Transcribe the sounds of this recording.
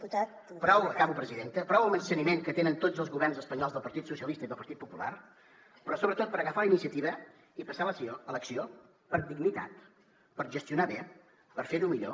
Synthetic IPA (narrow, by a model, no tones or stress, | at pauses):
ut̪a | pɾɔwəkaβupɾəziðent̪əpɾɔwəlˠmənsənimeŋkət̪enənt̪od͡zəlˠzɣuβɛrnzəspəɲɔlˠzðəlˠpəɾt̪it̪susiəlist̪əiðəlˠpəɾt̪it̪̚pupula̰r | pɾɔsoβɾət̪ot̪̚pəɾəɣəfaləinisiət̪iβ̞ə | ipəsalələksio | pəɾd̪iɡnit̪a̰t̪ | pəɾʒəst̪iunaβe | pəɾfeɾumiʎo̰